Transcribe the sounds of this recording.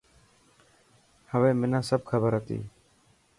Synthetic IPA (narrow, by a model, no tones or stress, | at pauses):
həʋẽːmɪnãːsəb̚kʰəbəɾɦət̪ḭː